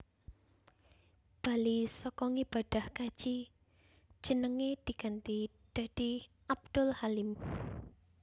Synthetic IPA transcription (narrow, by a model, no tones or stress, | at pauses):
b̥a̤lisɔkɔŋib̥a̤ɖ̥a̤hkḁd͡ʒ̥i̥ | d͡ʒ̥ənəŋed̪̥i̤ɡant̪i | d̪̥a̤d̪̥i | ʔab̚d̪̥ʊlhalɪm